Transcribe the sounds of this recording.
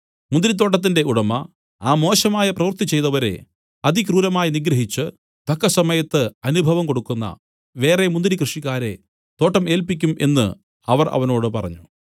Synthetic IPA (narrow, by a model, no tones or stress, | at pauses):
mund̪iɾit̪̬ːo̞ːʈ̬ːɐt̪̬ːinde̞uɽɐmɐ | aːmo̞ːɕɐmaːjɐprɐʋɐrt̪it͡ɕːe̞jt̪ɐʋɐɾe̞̰ | ɐd̪ʱikruːɾɐmaːjiniɡɾɐɦit͡ɕːɨ | t̪ɐkːɐsɐmɐjɐt̪ːɨɐnubʱɐʋɐmko̞ɽukːunːɐ̰ | ʋe̞ːre̞mund̪iɾikrɨʂikːaːɾe̞̰ | t̪o̞ːʈːɐme̞ːlpikʲːumʔe̞̰nːɨ̰ | ɐʋɐrɐ̰ʋɐno̞ːɽɨpɐrɐ̰ɲːu